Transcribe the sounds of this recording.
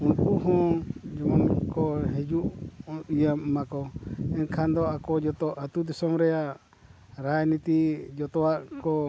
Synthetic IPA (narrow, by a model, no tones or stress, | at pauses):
unkuʔɦɔ̃d͡ʒɔmɔnkɔɦɛd͡ʒuʔijammakɔɛnkʰand̪ɔakɔd͡ʒɔt̪ɔʔat̪ud̪ɛsɔmɾɛjaʔ | ɾajnit̪id͡ʒɔt̪ɔwaʔkɔ